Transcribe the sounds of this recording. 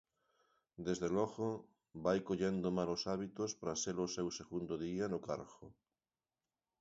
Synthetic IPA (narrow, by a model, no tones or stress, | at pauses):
d̪ezðelɔɣo | bajkoʎend̪omalosaβit̪ospɾaselosewseɣund̪oðianʊkaɾɣo